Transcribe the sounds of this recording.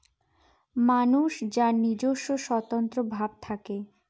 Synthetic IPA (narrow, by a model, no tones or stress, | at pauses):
manuʃd͡ʑaɾnid͡ʑoʃːoʃɔt̪ont̪ɾobʱab̚t̪ʰake